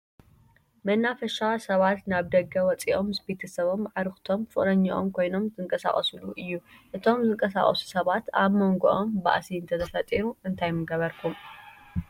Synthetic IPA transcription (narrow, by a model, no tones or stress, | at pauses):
mɐnːafɐʃasɐβat̪naβd̪ɐɡːɐwɔt͡sʼiʔo̞mɨsbe̞t̪ʰɐsɐβo̞mʕaɾɨxt̪ʰo̞mfɨχʼlɐɲːaʔo̰mkʰo̞jno̞mzɨŋkʼɐsa̰χʼɐ̰suluʔɨjːuʔɨt̪ʰo̞mzɨŋkʼɐsa̰χʼɐ̰su̥sɐβat̪aβmoŋɡoʔomba̰ʔsiɨnt̪ʰɐt̪ʰɐfɐt̪ʼiɾuɨnt̪ʰajmɨɡɐβɐɾkʰum